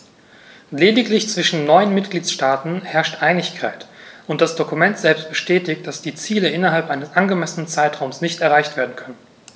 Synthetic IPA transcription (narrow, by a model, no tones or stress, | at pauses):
leːdɪklɪçt͡sv̥ɪʃn̩nɔʏənmɪtɡ̥liːtsʃtaːtn̩hɛɐʃtʔaɪnɪçkʰa̰ɪtʔʊntd̥asd̥okumɛntz̥ɛlpst̚b̥əʃtɛːtɪçt̚d̥asd̥iːt͡siːləʔɪnɐɦalpʔaɪnəsʔanɡəmɛsənənt͡saɪtʁ̥aʊmsnɪçtɛɐʁaɪçtv̥eːɐdn̩kʰœnən